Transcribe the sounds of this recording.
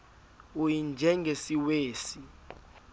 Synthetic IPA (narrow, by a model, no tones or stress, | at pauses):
ujind͡ʒʱɛŋɡʱesiweːsi